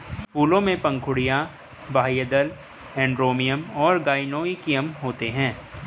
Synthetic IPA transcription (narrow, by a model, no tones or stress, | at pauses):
fuːlõmẽpɐ̃ŋkʰʊɽijã | bʱaːijəd̪əl | ɛ̃ːɳɖɾoːmijəmɔːɾɡaːɪnoːikijəmɦoːt̪eɦɛ̃ː